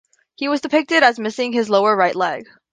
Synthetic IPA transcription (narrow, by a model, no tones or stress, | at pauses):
hiwʌzdɨpʰɪk̚tɨɾɨzmɪsɪ̃ŋɨzloʊə˞ɹaɪʔˡlɛɡ̥